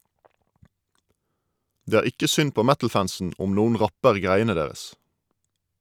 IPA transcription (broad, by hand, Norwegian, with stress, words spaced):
ˈdeː ˈæːʁ ˈɪkə ˈsʏn ˈpoː ˈmætl̩ˌfænsn̩ ˈʊm ˈnuːən ˈʁɑpəʁ ˈɡʁæɪənə ˈdeːʁəs